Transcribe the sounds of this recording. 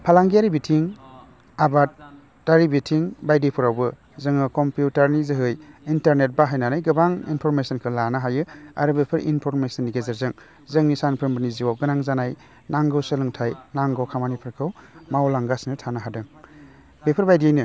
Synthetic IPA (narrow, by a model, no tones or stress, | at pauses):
pʰalaŋɡijaɾibitʰiŋ | abat̚ | daɾibitʰiŋbajdipʰɯɾawbɯ | zɯŋɯkɔmpjutaɾnizɯɦɯjintaɾnet̚baɦajnanajɡɯbaŋḭnpʰɔɾmesɔnkʰɯlanaɦajɯa̰ɾɯbepʰɯɾʔḭnpʰɔɾmesɐnːiɡezeɾzɯŋ | zɯŋnisanpʰɾɯmbɯniziwawɡɯnaŋzanaj | naŋɡɯwsɯlɯŋtʰajnaŋɡɯwkʰamanipʰɯɾkʰɯwmawlaŋɡasnɯtʰanaɦadɯŋ | bepʰɯɾbajdijajnɯ